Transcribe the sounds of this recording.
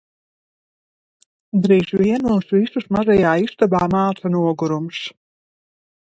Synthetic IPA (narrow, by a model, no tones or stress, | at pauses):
d̪ɾiːʒviɛnusvisusmaʒajaːiʃt̪abaːmaːtʰanuɔɡuɾumʃ